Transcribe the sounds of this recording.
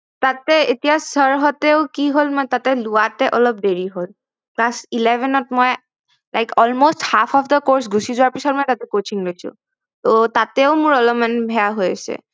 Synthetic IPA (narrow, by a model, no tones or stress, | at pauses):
t̪at̪eet̪ijasəɹɦɔt̪eoʊkiɦolmɔjt̪at̪eluat̪eʔɔlɔp̚deɹiɦol | klasilevɛnɔt̚mɔe | lajkɔlmosʈhapʰɔfd̪əkoɹs̬ɡʱusizɔaɹpisɔɾmɔjt̪at̪ekot͡ʃiŋlot͡ɕʰṵ | t̪ot̪at̪eʊmuɹɔlɔmanbʱɛaɦojet͡ɕʰḛ